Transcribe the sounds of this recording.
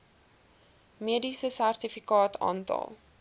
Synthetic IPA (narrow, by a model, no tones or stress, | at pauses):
miədisəsærtifikɑːtʰɑ̰ːntɑ̰lˠ